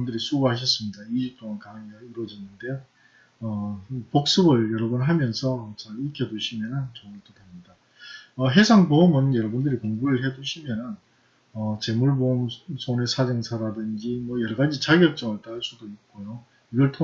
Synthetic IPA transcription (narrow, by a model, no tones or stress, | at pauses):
ndɯɾisʰuɡɦaɕ̬ʰʌs͈ɯmɲidaiɕip̚t͈oŋankaŋeaiɾwʌd͡ʑinɯnde̞ | ʌpok̚s͈ɯbɯɭjʌɾʌbunɦamjʌnsʰʌt͡ɕaɭikʰjʌduɕʰimjʌnɯnt͡ɕʌŋɯɭt͈otamɲida | ʌɦe̞sʰaŋpoɯmɯnjʌɾʌbundɯɾikoŋbuɾɯɭɦe̞duɕʰimjʌnɯn | ʌt͡ɕe̞muɭbomsʰone̞sʰad͡ʑʌŋsʰaɾadɯnd͡ʑimwʌjʌɾʌɡad͡ʑit͡ɕaɡjʌk̚t͡ɕ͈ʌŋɯɭt͈aɭsʰudoit̚k͈ojo | iɡʌɭtʰo